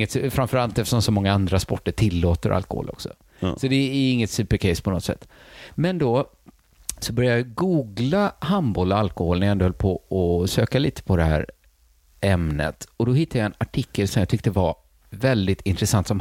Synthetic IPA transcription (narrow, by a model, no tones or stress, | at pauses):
ət̪sfɾamfœɾalt̪ɛft̪əʂɔmsɔmɔŋːaand̪ɾaspɔʈːəʈʰɪlːoːt̪əɾʔa̰lkɔ̰ho̰ːlʔɔ̰ksɔ̰ | sɔd̪ɛɪŋːət̪sʉ̟ːpəɾkʰɛɪspʰɔnɔt̪sɛ̰t̪ːmɛnd̪ɔ | sɔbœɾjajɑɡuːɡlahambɔlɔalkɔholnæɾjaɛnd̪ohœlːpʰɔɔsøːkaliːt̪ʰə̥pʰɔd̪ɛhæ̰ːɾ | ɛmnə̰t̪ɔd̪ɔhɪt̪ːajaɛnaʈʰɪkːəlsɔmjat̪ʰʏk̚t̪əva | vɛld̪ɪt̪ɪnt̪ɾɛsant̪sɔm